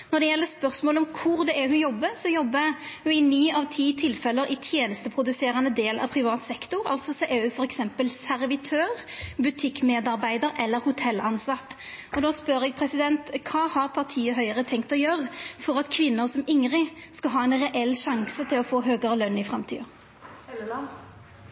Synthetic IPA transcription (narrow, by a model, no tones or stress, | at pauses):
nɔd̪ɛjɛlːəspœʁsmoːləɔmkʰʊɾd̪ɛʔæɦʉjɔbːəsɔjɔbːəhʉɪnyːɑʋt̪ʰiːt̪ʰɪlfɛlːəɾɪt̪ʰjeːnəst̪əpʰɾʊd̪ʉseːɾɑnəd̪eːlʔɑ̰ʋpʰɾɪʋɑːt̪sɛkt̪ʊɾɑ̰lt̪sɔsɔʔɛhʉfɔɾɛksɛmpəlsæʁʋɪt̪ʰøːɾbʉt̪ʰɪkːmeːd̪ɑɾbæɪd̪əɾɛlːəɾhʊt̪ʰɛlɑnsɑt̪ːʔɔd̪oːspœɾɛɡ̚pʰɾɛsɪd̪ɛnt̪kʰɑːhɑɾpʰɑʁt̪ʰiːəɦœʏəʁət̪ʰɛŋk̚t̪ɔjøːʁəfɔɾɑt̪kʰʋɪnːəɾsɔmɪŋɾɪskɑɦɑːɛnɾɛʔɛlːʃɑŋsət̪ʰɪlɔfoːɦøːɡəɾəlœnɪfɾɑmt̪ʰḭːɑ